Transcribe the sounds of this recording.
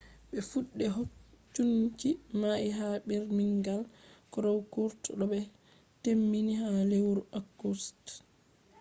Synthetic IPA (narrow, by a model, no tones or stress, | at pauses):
ɓɛfuɗːɛɦot͡ʃːunt͡ʃimaiɦaɓɛɾmiŋɡalkɔɾɔwkuɾtɗɔɓɛ | temːiniɦalewɾaɡust